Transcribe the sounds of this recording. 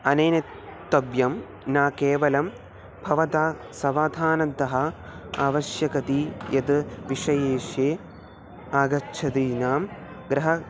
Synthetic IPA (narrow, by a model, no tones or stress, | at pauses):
ɐneːnɐtt̪ːɐbjɐm | naːkeːʋɐlɐm | bʱɐʋɐt̪aː | sɐʋaːd̪ʱaːnɐnt̪ɐɦɐaːʋɐʃjɐkɐt̪ijɐt̪ɨʋiʂɐjeːʂeː | aːɡɐʃʰɐd̪iːnaːm | ɡɾɐɦɐ